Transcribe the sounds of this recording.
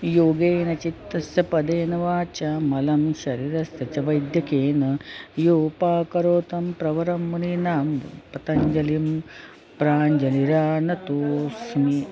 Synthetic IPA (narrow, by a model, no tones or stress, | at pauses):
joːɡeːnɐt͡ʃit̪ːɾɐsjɐpɐd̪eːnɐʋaːt͡ʃamɐlɐmʃɐɾiːɾɐsjɐt͡ʃɐʋɐjd̪ʱjɐkeːnɐjoːpaːkɐɾoːt̪ɐmpɾɐʋɐɾɐmːuninaːmpɐt̪ɐɲd͡ʒɐlim | pɾaːɲd͡ʒɐniɾaːnɐt̪oːsmi